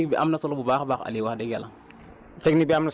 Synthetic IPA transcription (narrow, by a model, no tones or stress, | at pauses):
kbiʔa̰mnasɔlobubaːxbaxa̰liwaxdɛɡala | tɛknik̚biamna